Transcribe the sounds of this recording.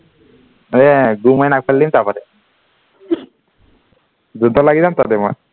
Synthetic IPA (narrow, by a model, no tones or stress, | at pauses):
eɡumajnakfʰalːimt̪apɔɾe | d͡ʒud̪ʱːɔlaɡid̪amt̪ad̪emɔe